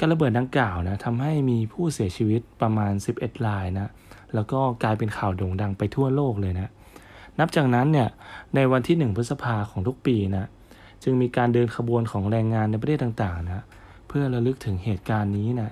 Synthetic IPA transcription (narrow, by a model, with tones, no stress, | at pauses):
kaː˧nla˧bɤː˨˩t̪̚da˧ŋkaː˨˩wna˦˥t̪ʰa˧mɦa˥˩jmiː˧pʰuː˥˩si˩˦ɐt͡ɕʰiː˧wi˦˥t̪̚pɾa˧maː˧nsi˨˩p̚ʔe˨˩t̪̚ɾaː˧jna˦˥ | lɛː˦˥wkɔː˥˩klaː˧jpe˧nkʰaː˨˩wdoː˧ŋda˧ŋpa˧jt̪ʰu˥˩ɐloː˥˩k̚lɤː˧jna˦˥ʔ | na˦˥p̚t͡ɕaː˨˩k̚na˦˥nːi˥˩ɐna˧jwa˧nt̪ʰiː˥˩nɯ˨˩ŋpʰɯ˦˥sa˧pʰaː˧kʰɔː˩˦ŋt̪ʰk̚piː˧na˦˥ | t͡ɕɯ˧ŋmiː˧kaː˧ndɤː˧nkʰa˧bu˧ənkʰɔː˩˦ŋɾɛː˧ŋːaː˧nːa˧jp̬a˧t̪ʰeː˥˩t̪ːa˨˩ŋt̪aː˨˩ŋna˦˥ | pʰɯ˥˩ɐɾa˧lɯ˦˥k̚t̪ʰɯ˩˦ŋɦeː˨˩t̪̚kaː˧nːiː˦˥na˦˥